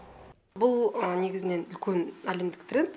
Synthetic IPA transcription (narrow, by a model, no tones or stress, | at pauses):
bʊlˠne̞ɡʲɪzɪne̞nʏlkʲe̞næle̞md̪ɪkt̪rʲe̞nt̪